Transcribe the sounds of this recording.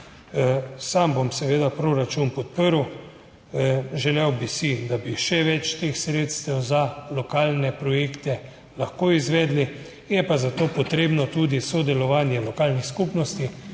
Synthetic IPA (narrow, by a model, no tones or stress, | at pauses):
sambomsɛʋeːd̪apɾoɾat͡ʃunpɔt̪̚pəɾw | ʒɛlɛwbisid̪abiʃɛʋɛt͡ʃt̪exsɾeːt̪st̪ɛwzalɔkaːlnɛpɾɔjekt̪ɛ | laxkoːizʋɛːd̪li | jɛpazat̪oːpɔt̪ɾeːbnɔt̪uːd̪isɔd̪ɛlɔʋaːnjɛlɔkaːlnixskupnɔst̪i